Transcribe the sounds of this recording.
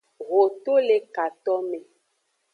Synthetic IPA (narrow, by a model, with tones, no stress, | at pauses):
ɣo˨t̪o˦le˨ka˨t̪ɔ˦mẽ˨